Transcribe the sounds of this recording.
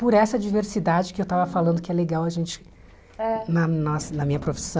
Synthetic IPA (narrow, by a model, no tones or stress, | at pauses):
pʊɾɛsɐd͡ʒiveɾsid̪ad͡ʒɪkɪewt̪avɐfalɐ̃nd̪ʊkɪɛleɡawɐʒẽnt͡ʃɪ̥ | nɐnɔsɐnɐmĩɲɐpɾofi̥sɐ̃